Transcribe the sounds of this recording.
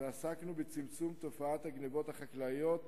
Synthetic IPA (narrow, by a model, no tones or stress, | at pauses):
easaknubet͡simt͡sumt̪o̞faat̪haɡnevo̞thaχaklajo̞t̪